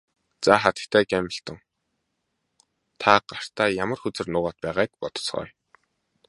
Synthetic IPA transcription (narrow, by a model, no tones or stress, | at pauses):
t͡saχat̪ə̥̆kt̪ʰæːkæmʲə̆ɬt̪ə̆ŋ | t̪ʰaɢ̥ar̥t̪aːjamə̆rxɵt͡sɘ̆rnʊːʁaːt̪̚pæːʁaːk̚pɔt̪ɞ̥̆t͡sχœ̰ːj